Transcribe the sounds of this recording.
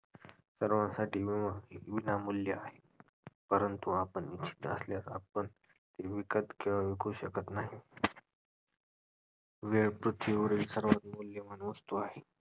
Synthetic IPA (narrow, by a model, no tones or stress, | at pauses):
səɾʋãsaʈʰiːʋaʋinamuljəaɦe | pəɾənt̪uapəɳit͡ɕʰi̥t̪ə̰sljaɾa̰pəɳ | t̪eʋikət̪keʋaʋikʰuɕəkət̪naɦi | ʋeɭpɾut̪ʰʋiuɽisəɾʋat̪muljəmanʋəst̪uaɦe